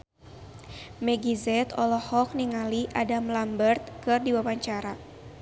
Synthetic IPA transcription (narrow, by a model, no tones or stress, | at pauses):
mɛɡizɛt̪ɔlɔhɔk̚niŋaliʔadamlambərt̪̚kɨrdiwawaɲt͡ʃaɾa